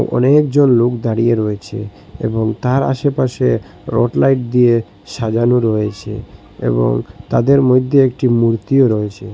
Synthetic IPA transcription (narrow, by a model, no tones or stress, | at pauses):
ʔɔ̰nekd͡ʑonlokd̪aɽijeɾɔet͡ɕʰḛ | ḛboŋt̪aɾa̰ʃepaʃe | ɾo̰ʈlajʈ̚d̪ije | ʃad͡ʑanuɾɔjet͡ɕʰḛ | ḛbo̰ŋt̪ad̪eɾmojd̪ʱːeekʈimuɾt̪ioɾɔet͡ɕʰe